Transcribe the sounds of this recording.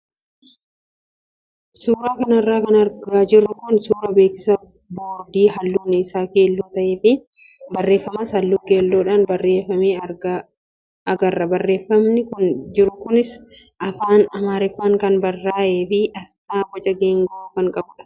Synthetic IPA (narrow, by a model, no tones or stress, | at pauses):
suːɾaːkɐnɐrːaːkɐnɐɾɡaːd͡ʒɪrːʊkʊnsuːɾɐbe̞ːksɪ̥sɐ | boːɾd̪iːhɐlːuːnːɪɪsaːke̞ːlːoːt̪ɐʔeːfɪ | bɐrːe̞ːfːɐmɐshɐlːuːkeːlːoːᶑaːnbɐrːeːfːɐmeːɐɡɐ | ɐɡɐrːɐbɐrːe̞ːfːɐmnɪkʊnd͡ʒɪɾʊkʊnɪs | ʔɐfaːnɐmaːɾɪfaːŋkɐnbɐrːaːʔeːfɪʔɐst̪aːbɔt͡ʃʼɐɡeːŋɡɐukɐŋkʼɐbʊᶑɐ̥